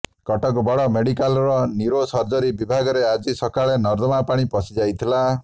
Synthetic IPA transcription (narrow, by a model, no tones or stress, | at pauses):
kɔʈɔkɔbɔɽɔmeɽikalɾɔniɾosɔɾd͡ʒɔɾibibʱaɡɔɾead͡ʒisɔkaɭenɔɾd̪ɔmapaɽ̃ipɔsid͡ʒajt̪ʰila